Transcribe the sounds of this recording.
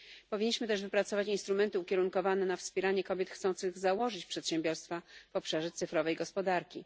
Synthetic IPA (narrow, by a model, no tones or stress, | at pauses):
pɔvʲiɲːiɕmɘt̪ɛʐvɘpɾat̪sɔvat͡ɕinst̪ɾumɛnt̪ɘukʲjɛɾuŋkɔvanɛnafspʲɛɾaɲɛkɔbʲjɛt̪xt̪sɔnt̪sɘɣzawɔʐɘt͡ɕpʂɛt̪ɕɛmbʲjɔɾst̪fav̥ɔpʂaʐɛt̪sɘfɾɔvɛjɡɔspɔd̪aɾkʲḭ